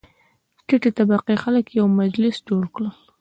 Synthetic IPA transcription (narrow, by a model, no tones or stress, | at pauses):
ʈɪʈet̪abaqixaləkjawmad͡ʒlɪsd͡ʒoɽkɽəl